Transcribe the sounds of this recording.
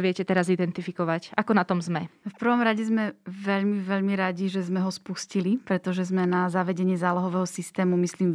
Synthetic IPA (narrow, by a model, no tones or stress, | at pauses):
ʋɪɛcɛt̪ɛɾazid̪ɛnt̪ifikɔʋacakɔnat̪ɔmzmɛfpr̩ʋɔmɾaɟɛzmɛʋɛʎmiʋɛʎmiɾaɟiʒɛzmɛɦɔspuscilipɾɛt̪ɔʒɛzmɛnazaʋɛɟɛɲɪɛzaːlɔɦɔʋɛːɦɔsist̪ɛːmumisliːm